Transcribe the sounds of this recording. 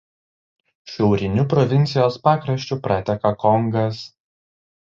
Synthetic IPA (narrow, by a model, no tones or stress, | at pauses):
ʃʲɛʊɾʲɪnʲʊpɾɔʋʲɪnʲt̪sʲɪjoːspɑːkɾɐʃʲt͡ʃʲʊpɾɐt̪ʲɛkɐkɔŋɡɐs